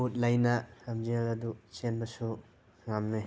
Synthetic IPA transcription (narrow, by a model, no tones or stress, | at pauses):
ut̚lɐjnɐlɐmziɐlɐdusenbɐsu | ŋamne